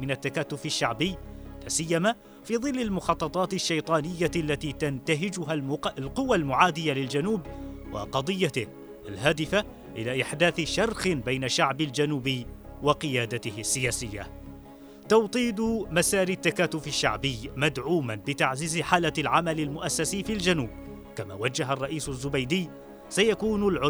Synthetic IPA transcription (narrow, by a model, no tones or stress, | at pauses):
mɪnat̪ːakaːt̪ːʊfɪʃːaʕbɪjːlaːsɪjːamaː | fiːðˤɨlːalmʊxɑt̪ˤːɑt̪ˤɑːt̪ɪʃːajt̪ˤɑːnɪjːalːat̪iːt̪ant̪aɦɪd͡ʒʊɦamlqʊwalmʊʕaːd̪ɪjːalɪld͡ʒanuːbwɑ̰qɑd̪ˤɨjːat̪ɪ | ʔalɦaːd̪ɪfa | ʔɪlaːʔɪħd̪aːθʃɑrˤxɪnbajnaʃaʕbɪld͡ʒanuːbɪː | wɑqɨjaːd̪at̪ɪhɪsːɪjaːsɪjːa̰ | t̪ɑwt̪ˤiːd̪masaːɾit̪ːakaːt̪ːʊfɪʃːaʕbɪjːmad̪ʕuːmanbɪt̪aʕziːzɪħaːlalʕamalalmʊʔasːasiːfild͡ʒanuːb̚ | kama̰ːwad͡ʒːaɦarˤːɑʔiːsʊzːʊbajd̪ɪː | sajakuːnʊlʕʊ